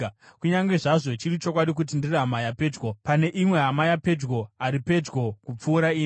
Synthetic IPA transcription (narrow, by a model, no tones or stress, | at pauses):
kuɲaŋɡe̞ʐaʐo̞t͡ʃirit͡ʃo̞k̬waɗik̬ut̬indiriɦamajape̞ːd͡ʒɡopane̞ʔimwe̞ɦamajape̞d͡ʒɡo̞aɾipe̞d͡ʒɡo̞kup͡fuːɾaiːni